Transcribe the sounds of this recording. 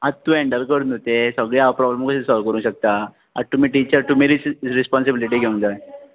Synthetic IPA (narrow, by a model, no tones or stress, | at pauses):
adt̪ːũːeɳɖəɾkəɽunot̪esəɡɭeapɾɔbləmkəesɔlʋkəɾũːɕək̚t̪a | a̰ɾt̪um̤iːʈit͡ɕəɾt̪um̤iɾit͡sɾispɔnsibiliʈiɡeuŋd̪a